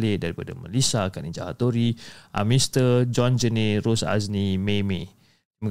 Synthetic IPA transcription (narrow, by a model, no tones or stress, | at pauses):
lɪʔ̚daɾipada̰ma̰lisakanid͡ʒa̰ha̰t̪oɾiʔa̰mĩst̪əd͡ʒɔnd͡ʒəneɾosa̰snimeme | mə